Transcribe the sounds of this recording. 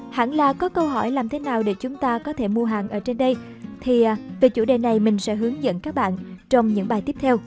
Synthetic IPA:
ha̰ː˧˩nlaː˨˩kɔ˨˦kə˧wɦɔ˧˩jlaː˨˩mt̪ʰe˨˦naː˨˩wɗe˧˩t͡ɕʊ˨˦ŋ͡mt̪aː˧kɔ˨˦t̪ʰe˧˩mu˧əɦaː˨˩nʔəː˧˩t͡ɕe˧nɗə˧j | t̪ʰi˨˩˨ve˨˩t͡ɕu˧˩ɗḛ˨˩na˨˩jmï˨˩ŋ̟sɛ̰˧˥ɦɨ˨˦əŋzə̰˧˨nkaː˦˥k̚ɓa̰ː˧˨nt͡ɕɔ˧wŋ͡mɲɨ̰˧˥ŋɓaː˨˩jt̪i˦˥p̚t̪ʰɛ˧w

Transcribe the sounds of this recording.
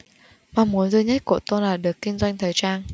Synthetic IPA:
maː˨˩mu˨˦ənzɨ˧ɲa˦˥t̚kṵ˧˩ət̪o˧nlaː˨˩ɗɨ˨˩əkːï˧ŋ̟zwa˧jŋ̟t̪ʰəː˨˩jt͡ɕaː˧n

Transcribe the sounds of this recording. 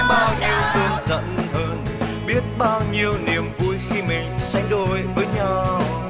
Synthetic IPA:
ɓaː˧wɲi˧əwt̪ɨ˧ənzə̰˧˨˥nhəː˧n | ɓi˦˥ət̚ɓaː˧wɲi˧əwni˨˩əmvu˧jxi˧mï˨˩ŋ̟sa˧jŋ̟ɗo˧jvəː˨˦jɲa˧w

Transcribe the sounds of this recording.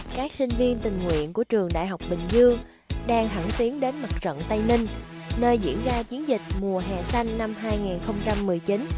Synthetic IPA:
kaː˦˥k̚sï˧ŋ̟vi˧ənt̪ï˨˩ŋ̟ŋwḭ˧˨ənku˧˩ət͡ɕɨ˨˩əŋɗa̰ː˧˨jɦa˨˩wk͡p̚ɓï˨˩ŋ̟zɨ˧əŋ | ɗaː˧ŋɦə˧˩ŋt̪i˨˦ənɗe˨˦nma˨˩t̚zə̰˧˨nt̪a˧jni˧ŋ̟ | nəː˧jzḭ˧˥ənzaː˧t͡ɕi˨˦ənzï˨˩k̟̚mu˨˩əɦɛ̰˨˩sa˧jŋːa˧mɦaː˧jŋi˨˩nxə˧wŋ͡mt͡ɕa˧mːɨ˨˩əjt͡ɕi˨˦n

